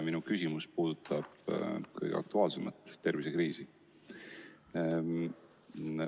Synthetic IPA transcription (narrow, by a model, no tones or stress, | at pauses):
minukysimuspuːd̪̥ut̪ːˑɑb̥kɤ̰jɡ̥ḛɑ̰k̚t̪uɑːlsemɑt̪ːe̞rvisekriːsi